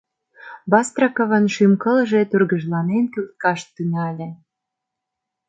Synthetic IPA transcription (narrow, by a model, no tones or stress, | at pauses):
bɑst̪rɑkə̆və̆nʃymkə̆lʒet̪urɣəʒlɑnenkylt̪̚kɑʃt̪ːynɑlʲĕ